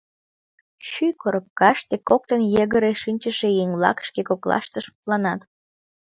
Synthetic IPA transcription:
ɕykoɾəp̚kɑʃt̪ekːok̚t̪ənjeɣəɾeʃinʲt͡ɕəʃejeŋlɑ̰kʃkekoklɑ̰ʃt̪əʃu̥t̪lɑnɑt̪

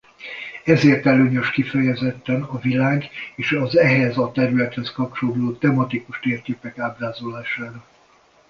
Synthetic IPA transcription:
ɛzeːrt̪ɛløːɲøʃkifɛjɛzɛt̪ːɛnɒvilaːɡeːʃɒzɛɦɛzɒt̪ɛɾylɛt̪hɛskɒp̚t͡ʃoloːt̪ɛmɒt̪ikuʃt̪eːrkeːpɛkaːbraːzolaːʃaːɾɒ

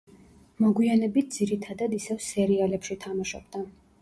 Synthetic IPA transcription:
mɔɡwianɛbit̪̚ʰd̪ziɾit̪ʰad̪ad̪isɛvsɛɾialɛpʃit̪ʰamaʃɔbd̪a

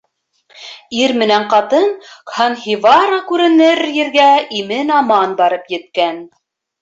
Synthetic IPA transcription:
iɾmɘ̆næɴqɑt̪ɤnkhɑnɦivɑɾokʉɾɘ̆nɘɾjɘ̆ɾɡæimɘnɑmɑnbɑɾɤpjɘ̆t̪̚kæn

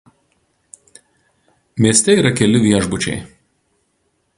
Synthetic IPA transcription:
mʲiɛsʲt̪ʲɛiːɾɐkʲɛlʲɪʋʲiɛʒbʊt͡ʃʲɛ̰ɪ

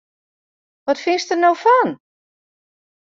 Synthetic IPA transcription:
ʋɔtfɪnstərnowfɔn

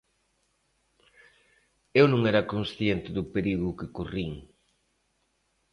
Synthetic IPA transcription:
ewnõŋɛɾɐkonsθjent̪ɪðʊpeɾiɣʊkɪkoriŋ

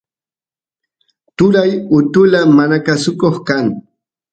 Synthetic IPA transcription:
t̪ʊɾajʊt̪ʊlamanakasʊkoχkaŋ

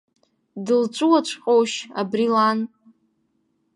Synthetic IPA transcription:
dɨlt͡ʃʷʼuwat͡ʃʷʰqʼowʃa̰brilan

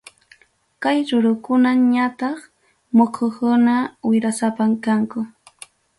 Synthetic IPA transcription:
kajɾʊɾʊkʊnaɲat̪ɑχ | mokʰokʊnawɪɾasapamkaŋkʊ

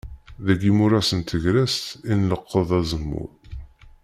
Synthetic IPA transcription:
ðæɡimʊɾæsənt̪ʰəʝɾæst̪inləqʰːəðˤæzəmːʊ̰ɾˤ

